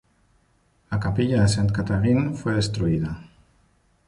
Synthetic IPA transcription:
lakapiʎaðesent̪kat̪aɣinfweð̞est̪ɾuiða

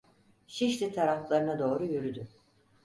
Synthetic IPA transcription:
ʃiʃlʲit̪ʰaɾaflˠaɾɯnad̪o̞ːɾujyɾyd̪y

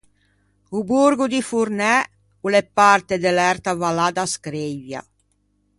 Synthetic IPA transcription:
ubuɾɡud̪ifuɾnɛ | ulepart̪ed̪elɛrt̪avalad̪askɾivja̰

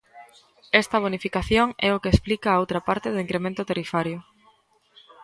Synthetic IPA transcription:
ɛst̪ɐβ̞onifikaθjoŋɛʊkesplikɐːowt̪ɾɐpaɾt̪ɪðʊiŋkɾemẽnt̪ʊt̪erifaɾjʊ

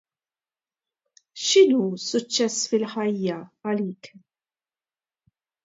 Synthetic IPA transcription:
ʃɪnuːsʊt͡ʃːɛsfɪlħɐjːɐɐliːk

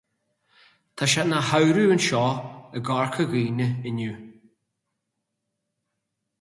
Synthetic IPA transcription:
t̪ʰaʃanahawɾuənʃɔːəɡɔɹkʰəɣiːnəɪnuː

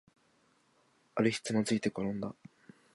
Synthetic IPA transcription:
aɾɯ̟çi̥t͡sɨnat͡sɨit̪e̞koɾõnd̪a

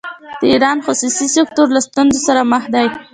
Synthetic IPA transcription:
d̪̥əiɾɑnxʊsusisɪk̚t̪oɾlast̪unzosaɾaməxd̪aj

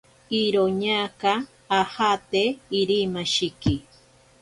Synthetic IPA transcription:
iɾoɲakaː | hat̪eiɾimaʃiki

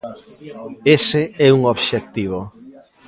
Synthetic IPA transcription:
esɪɛuŋoβʃek̚t̪iβ̞o

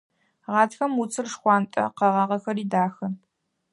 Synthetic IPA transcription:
ʁɑːtʰxɐmut͡sʰʼɨrʂxʷɑːntʼɐ̰qɐʁɑʁɐxɐɾiːdaːxɐ

